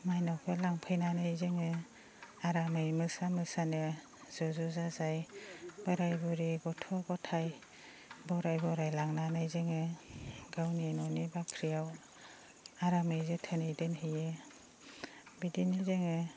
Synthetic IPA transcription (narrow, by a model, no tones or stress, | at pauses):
majnɔwpʰɯlaŋpʰɯjnanɯjzɯŋɯ | aɾamɯjmɯsamɯsanɯ | z̥ɔzɔzazajb̥aɾajbɔɾiɡɔtʰɔbɔtʰaj | bɔɾajbɔɾajlaŋnanajzɯŋɯɡawnenɔnibakʰɾijaw | aɾamɯjzɯtʰɯnejdɯnɦɯje | bidinizɯŋɯ